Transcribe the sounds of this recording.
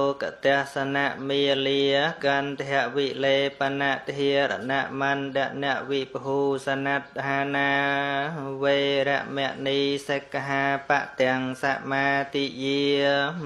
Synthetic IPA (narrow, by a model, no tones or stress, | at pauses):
oka̰t̪ɛ̆əhsanaʔmiːliəkant̪ʰɛəʔʋileːpanaʔt̪ɦiəɾa̰naʔmanɗɛ̆əʔnɛ̆əʔʋipəɦuːsanat̪̚ɦaːnaː | ʋeːɾɛ̆əʔmɛ̆əʔniːsekːaɦaːpaʔt̪ɛ̆əŋsaʔmaːt̪iːjiə